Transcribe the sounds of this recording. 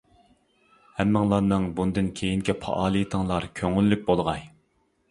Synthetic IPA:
hɛmːɨŋlˠɑɾnɨŋbund̪ɨnkʲʰejiŋkʲʰɛpʰɑ̰ʔɑːlˠɨjt̪ʰəŋlˠɑɾkʲʰøŋylːyk̚ʲbolˠʁɑj

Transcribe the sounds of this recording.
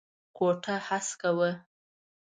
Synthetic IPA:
koʈʰahaskawə

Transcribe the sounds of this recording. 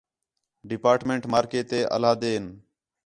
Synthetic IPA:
ɖɪpaːɾʈmẽːɳʈmaːɾkeːt̪eːʔə̰laːd̪eːn

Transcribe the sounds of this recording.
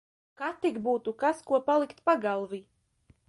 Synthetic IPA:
kat̪iɡbuːt̪ukaskuɔpalˠikt̪paɡalˠvi

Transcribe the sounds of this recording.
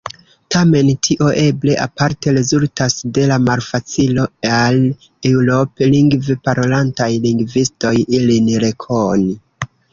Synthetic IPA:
tame̞ntʰiʔo̞ʔe̞ble̞ʔapaɾte̞ɾe̞zultasde̞lamalfat͡silo̞al | ewɾo̞pe̞liŋɡvepaɾo̞lantajliŋɡvisto̞jilinɾe̞kʰoni

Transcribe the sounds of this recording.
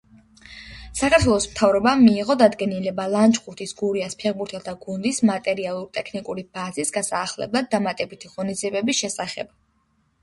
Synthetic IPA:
sakʰaɾt̪ʰwɛlˠɔsmt̪ʰavɾɔbamiːʁɔd̪ad̪ɡɛnilɛbalˠant͡ʃʼχʰʼuɾt̪ʰisɡuɾiaspʰɛʁbuɾt̪ʰɛlˠd̪ʰaɡund̪ismat̪ʼɛɾialˠuɾt̪ʼɛkʰnikʼuɾib̥azisɡasaːχlɛ̰blˠad̪ːamat̪ʼɛbit̪ʰiʁɔnid̪ziɛbɛbisʃɛsaχɛ̰b̥

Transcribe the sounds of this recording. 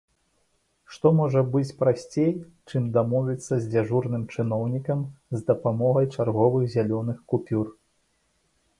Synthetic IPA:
ʂt̪ɔmɔʐɐbɨt͡sʲpɾasʲt͡sʲej | t͡ʂɨmd̪amɔvʲit̪sːɐzʲd͡zʲaʐurnɨmt͡ʂɨn̪ɔwnʲikɐmzd̪ɐpamɔɣɐjt͡ʂarɣɔvɨɣzʲalʲɔnɨxkupʲur

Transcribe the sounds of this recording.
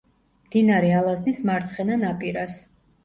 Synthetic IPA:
md̪̥inaɾɛalˠaznismaɾt̪sʰχɛnanapʼiɾas

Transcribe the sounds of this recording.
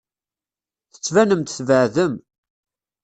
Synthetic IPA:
θə̥t͡sːvænəmt̪θvəʕðəm

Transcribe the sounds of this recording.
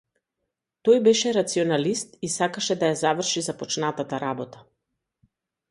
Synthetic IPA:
t̪ɔjbɛʃɛɾat̪siɔnalist̪isakaʃɛd̪ajazavr̩ʃizapɔt͡ʃnat̪at̪aɾabɔt̪a

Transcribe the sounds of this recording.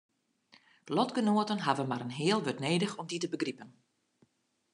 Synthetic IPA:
lɔtɡənoətənɦavənmaɾənɦɪːəlˠʋøtneːdəxɔmditəbəɡripən

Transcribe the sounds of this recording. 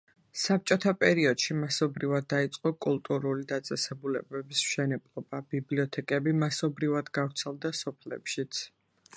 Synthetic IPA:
sap̚t͡ʃʼɔt̪ʰapʼɛɾiɔd̪̥ʃimasɔbɾivad̪̚ːait̪sʼqʼɔkʼulˠt̪ʼuɾulid̪at̪sʼɛsɛbulɛ̰bɛbismʃɛnɛblˠɔbabibliɔt̪ʰɛkʼɛbimasɔbɾivad̪ɡavɾt̪sʰɛlˠd̪asɔpʰlɛ̰pʃit̪sʰ

